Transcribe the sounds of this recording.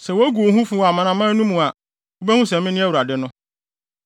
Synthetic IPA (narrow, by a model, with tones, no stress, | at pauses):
sɛ˨wo˦æ˦ɡu˨o˨ɦũ˦fũ˦wɔ˨a˨mã˨nã˨mã˦nũ˦mũ˨a˨ | o˦bæ˦hũ˦sɛ̃˨mɪ̃˦nɪ̃˦æ˦wu˨ɾa˨dɪ˦nʊ̃˦